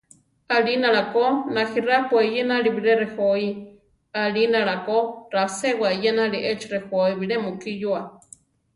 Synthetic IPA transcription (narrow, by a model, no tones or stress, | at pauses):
alinaɺakonahirapwejenaɺibiɺeɾehoi | alinaɺakoɾasewajenaɺiʔet͡ʃrexoiβiɺemukijua